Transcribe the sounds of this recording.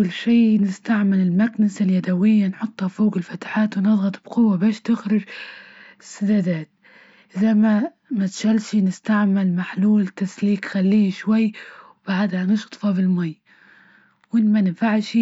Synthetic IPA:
lːʃiːnɪst̪aʕmɪlɪlmaknasaljad̪awɪjːanħʊt̪ˤːhafoːɡɪlfat̪ħaːt̪wnɨðˤɣɑt̪ˤb̥qʊwːabaːʃt̪ɪxɾɪd͡ʒ | ɪsːad̪ad̪aːt̪̚ | ʔɪzama | mat̪ʃalʃinɪst̪aʕmɪlmaħluːlt̪asliːkxalːiːʃwajːwb̥aʕad̪hanɪʃt̪ˤfɑbɪlmaj | wmɪnmanɪnfaʕʃi

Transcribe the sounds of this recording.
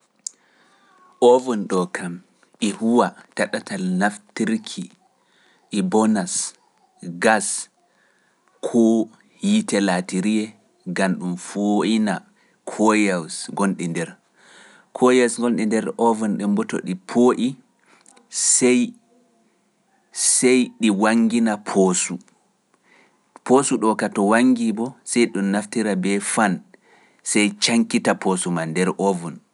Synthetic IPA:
ʔovɔnɗɔkʰam | ihuwataɗatalnaftiɾkʰi | ʔːbɔnas | ɡas | kʰɔ | jitɛlatiɾiɛ | ɡanɗumfoina | kʰojawsɡonɗindɛɾ | kʰɔjawsŋɡonɗindɛɾɔvɔnɗɛmbɔto̰ɗipʰoʔi | sɛj | sɛjɗiwaŋɡinapʰosu | posuɗɔkatɔwaŋɡibɔsɛjɗumːaftiɾabɛfan | sɛjt͡ʃaŋkitapʰosumandɛɾʔɔvɔn

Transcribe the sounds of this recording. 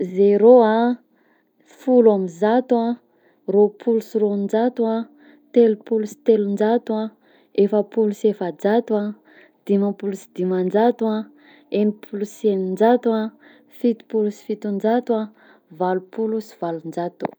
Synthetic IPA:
zeɾoa | fulamizat̪ua | ropʰulusirond͡ʒat̪uã | t̪elupulusi̥t̪elund͡ʒat̪uã | efəpulusefad͡zat̪ua | d̪̥imapulusid̪̥imand͡ʒat̪ua | emipʰulusenind͡ʒat̪a | fit̪u̥pulusi̥fit̪und͡ʒat̪wa | valupulusi̥v̥alund͡ʒat̪u̥

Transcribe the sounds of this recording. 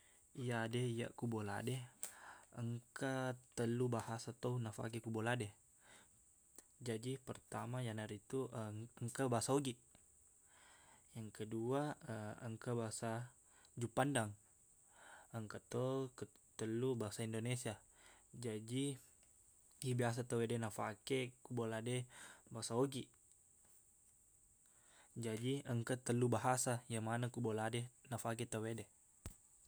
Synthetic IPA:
ijadɛija̰ʔkubola̰dɛ | əŋkat̪əlubahasat̪ounafa̰kikuboladɛ | d͡ʒad͡ʒipərt̪amajanaɾit̪uʔəəŋkabaɦasaoɡi | jaŋkəduaəəŋkabaɦasa | d͡ʒupandaŋ | əŋkət̪okət̪əlubaɦasaindonesia | d͡ʒadi | ibias̬at̪əwedɛnafakɛkuboladɛbaasaoɡi | d͡ʒadiəŋkət̪əlubaɦasajaŋmanakuboladɛnafak̬ɛt̪əwedɛ

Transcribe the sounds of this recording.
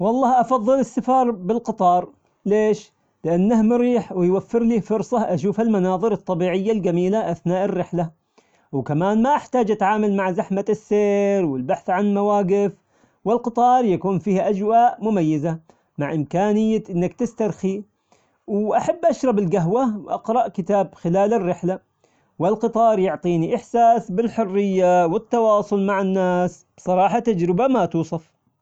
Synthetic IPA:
wɑlˤːɑːhʔɑfɑðˤːɨlɪsːafɑːɾˤbɪlqɨt̪ˤɑːɾˤ | leːʃ | lɪʔanːahmʊɾiːħwɪjwafːɪɾliːfʊɾsˤɑʔaʃ̬uːfɪlmanɑːðˤɨɾɨt̪ˤːɑbiːʕɪjːald͡ʒamiːlaʔaθnaːʔɪrːɪħla | wkamaːnmaʔɪħt̪aːd͡ʒʔat̪ʕaːmalmaʕzaħmasːeːɾwɪlbaħθʕanlmawaːɡɪf | wɪlqɨt̪ˤɑːɾˤjakuːnfiːhʔad͡ʒwaːʔmʊmajːɪza | maʕʔɪmkaːnɪjːaʔɪnːakt̪ɪst̪aɾˤxi | wʔaħabːʔaʃɾˤɑbɪlɡaɦwawʔɑ̰qɾˤɑʔkɪt̪aːbxɪlaːlɪrːɪħla | wɪlqɨt̪ˤɑːɾˤjʊʕt̪ˤiːniʔɪħsaːsbɪlħʊrːɪjːawɪt̪ːɑwɑːsˤʊlmaʕɪnːaːs | b̥sˤɑɾˤɑːħat̪ːad͡ʒɾɪbamat̪uːsˤɑf

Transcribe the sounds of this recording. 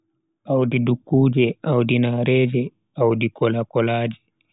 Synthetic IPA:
ʔawdidukːuːd͡ʒɛʔawdinaɾɛːd͡ʒɛ | awdikɔlakɔlaːd͡ʒɛ

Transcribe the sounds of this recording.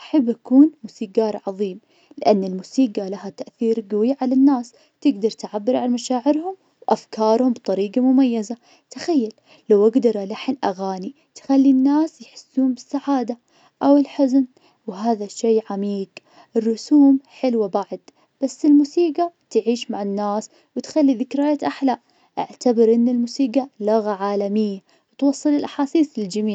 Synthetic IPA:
ʔaħabːʔakuːnmuːsiːɡɑːɾˤʕɑðˤiːm | lɪʔanːɪlmuːsiːɡalaɦat̪aʔθiːɾɡawiʕalanːaːs | t̪ɪɡd̪ɑɾˤt̪ʕabːɪɾʕalmaʃaːʕɪɾhʊm | wʔafkɑːɾˤhʊmbt̪ˤɑɾiːɡamʊmajːaza | t̪ḁxajːalː | awʔaɡd̪ɑɾˤalaħɪnʔaɣaːni | t̪xalːinːaːsjħɪ̥sːuːmbɪsːaʕaːd̪a | ʔawɪlħʊzn | wɦaːðaʃːeːʕamiːɡ | ʔɪrːʊsuːmħɪlwabaʕd̪ | b̥asːɪlmuːsiːɡat̪ʕiːʃmaʕɪnːaːs | wɪt̪xalːiðɪkɾajat̪ʔaħlaːʔ | ʔa̰ʕt̪abɪɾʔɪnːɪlmuːsiːɡalʊɣaʕaːlamɪjːa | wɪt̪wɑsˤːɨlɪlʔaħaːsiːθlɪld͡ʒamiːʕ

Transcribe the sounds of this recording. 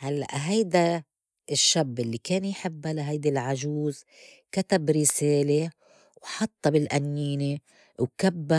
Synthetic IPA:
halːa̰ʔɦajd̪a | ɪʃːabːɪlːikeːnjħɪbːalaɦajd̪alʕaʒuːz | kat̪abɾɪseːle | wħɑt̪ˤːɑbɪlʔanjiːne | wkabːa

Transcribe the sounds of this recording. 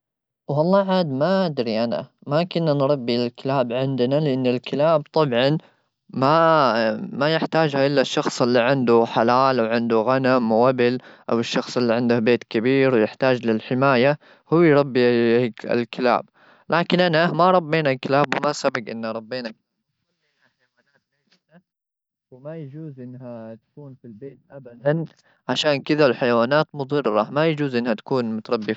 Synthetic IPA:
wɑlˤːɑːʕaːd̪maʔad̪ɾiʔana̰makʊnːanɾˤɑbːilkɪlaːbʕɪnd̪nalɪʔɪnːɪlkɪlaːbt̪ˤɑbʕɑn | ma | majɪħt̪aːd͡ʒhaʔɪlːaʃːɑxsˤʔɪlːiʕɪnd̪uħalaːlawʕɪnd̪uɣanamʔabɪlʔawɪʃːɑxsˤʔɪlːiʕɪnd̪ʊhbeːt̪kɪbiːɾwjɪħt̪aːd͡ʒlɪlħɪmaːja | hʊwːjɾˤɑbːiɪ̰lkɪla̰ːb | lʔaːkɪnʔanamaɾˤɑbːeːnalkɪlaːbwɪmasabɪɡʔɪ̰nːaɾˤɑbːeːnaka | eːnaħajwaːnaːt̪̚aːlɪd̪a | wɪmajad͡ʒuːzʔɪnːɦat̪kuːnfilbeːt̪̚ʔabad̪an | ʕaʃaːnkɪd̪alħajwaːnaːt̪mʊðˤɨrːɑmajad͡ʒuːzʔɪnːhat̪ḁkuːnmʊt̪ɑɾˤɑbːi

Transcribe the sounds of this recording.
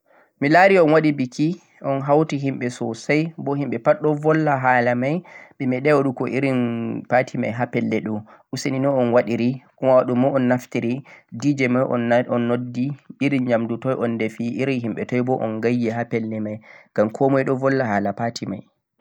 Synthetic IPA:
milaɾiɔnwaɗibikʰi | ʔɔnɦawtiɦimɓɛsɔsajbɔhimɓɛpaɗɔvɔlːaɦalamajɓɛmɛɗɛwaɗukɔʔiɾinpatʰima̰jɦapɛlːɛɗɔ | ʔusininɔɔnwaɗiɾikɔmawaɗumɔɔnːaftiɾidid͡ʒɛmajʔɔɔnːodːiiɾinɲamdutɔjʔɔndɛfiʔiɾinɦimɓɛtɔjbɔʔɔ̰nɡajːɛɦapɛlːɛmajɡ̥amkʰɔmɔjɗɔvɔlːaɦaːlapatima̰j

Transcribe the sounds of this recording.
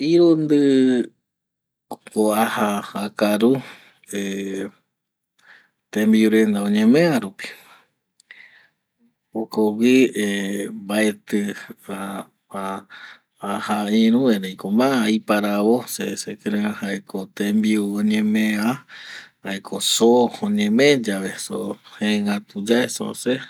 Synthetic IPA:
iɾund̪ɨ | koahaːkaɾu | e | t̪ẽmbiuɾend̪aõɲẽmẽaɾupi̥ | okowiembae̞t̪ɨa | a | ahaiɾũeɾejkomãaipaɾaβosesekeɾeãhaekʰot̪ẽmbiuoɲẽmẽahaekʰosooɲẽmẽd͡ʒaʋesohẽŋat̪ud͡ʒaeso̰se

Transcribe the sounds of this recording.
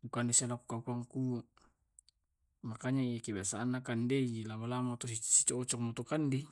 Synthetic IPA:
bukandesialaku̥kakuaŋku | makaɲaijakebiasaːnːakandeilamalamat̪ɔisi̥t͡ʃɔːt͡ʃɔŋmɔt̪ɔkandi

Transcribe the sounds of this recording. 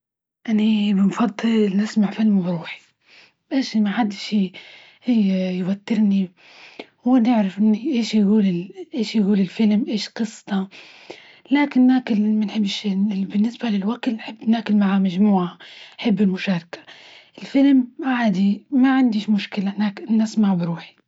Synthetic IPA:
ʔanabɪnfɑd̪ˤːɨlnɪsmaʕfɪlmbawħi̥ | ʔeːʃmaħad̪ːʃiː | hɪjːjwat̪ːɪɾni | wɪnɪʕɾɪfʔɪnːiʔeːʃjɡuːlɪʔeːʃjɡuːlɪlfɪlmʔeːʃqɨsˤːt̪ɑ | laːkɪnːaːkɪlmanħɪbːɪʃɪbɪnːɪsbalɪlwakt̪nħɪbːnaːkɪlmaʕamaʒmuːʕaħɪbːɪlmʊʃaːɾˤkḁ | ʔɪlfɪlmaʕaːd̪imaʕand̪iʃmʊʃkɪlanaːkɪːɪsmaʕbɪɾuːħi̥

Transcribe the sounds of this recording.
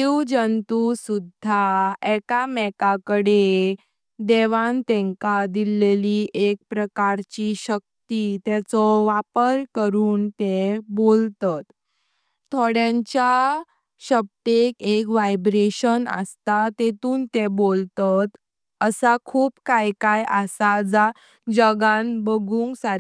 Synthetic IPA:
iwd͡ʑənt̪usud̪ʱːaɛkamɛkakəɽe | d̪ɛʋant̪ɛ̃ŋkad̪ileliʔek̚pɾəkaɾt͡ɕiɕək̚t̪it̪ɛt͡sɔʋapəɾkəɾuːnt̪ebolt̪at̪ʰː | oɽjãɲt͡ɕa | ɕəb̚ʈ̪ekekʋajbɾeɕənə̰st̪at̪et̪uːnt̪ebolt̪at̪ | əsakʰuːpkajkajəsad͡za | d͡ʑəɡãnbəɡũŋɡsaɾ

